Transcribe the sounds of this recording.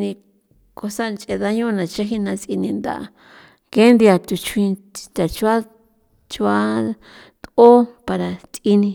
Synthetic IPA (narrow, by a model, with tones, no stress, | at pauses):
nĩ˧ | ko˧sa˦˧nt͡ʃʼe˧ða˧ɲõ˦˧nã˨t͡ʃa˦ɦi˦nã˧t͡si˧nĩ˧nd̪a̰˨a̰˧ | ke˦nd̪i˧a˧t̪u˧t͡ʃʰwĩ˧ | t̪a˨t͡ʃu˧˦a˦ | t͡ʃu˧a˦ | t̪o˦pa˧ɾa˨t͡s̪i˧nĩ˧